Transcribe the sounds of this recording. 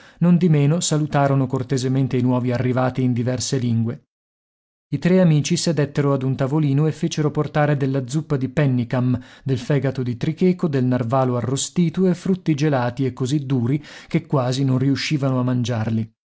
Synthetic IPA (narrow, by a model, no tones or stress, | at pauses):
nond̪imeːnosalut̪aːɾonokort̪ezement̪einwɔːviarːivaːt̪iːnd̪ivɛrseliŋɡwe | it̪ɾeamiːt͡ʃised̪et̪ːeɾoad̪unt̪avoliːnoefːeːt͡ʃeɾoport̪aːɾed̪elːad̪zupːad̪ipɛnːikamd̪elfɛːɡat̪od̪it̪ɾikeːkod̪elnarvaːloarːost̪iːt̪uefːɾut̪ːid͡ʒelaːt̪iekːozid̪ːuːɾikekːwaːzinonriuʃːiːvanoamːand͡ʒarli